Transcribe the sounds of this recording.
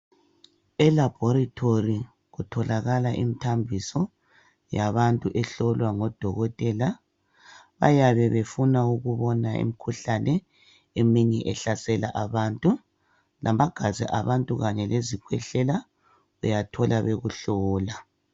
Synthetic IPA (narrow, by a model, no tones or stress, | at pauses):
ɛlab̥ʱɔɾatʰori | ɣutʰɔlaɣalaʔḭmitʰambʱisɔ | jaβantʼuʔɛɬɔlwaŋɔd̥ʱɔɣɔtʼɛla | βa̰jaβɛβefunauɣuβɔnaḭmikʰuɬanɛ | emiɲɛʔɛɬasɛla̰ʔaβantʼu | lʔamaɡ̥ʱazɛ̰ʔaβantʼuɣaɲɛlezikʰwɛɬɛla | ujatʰɔlaβeɣuɬɔːla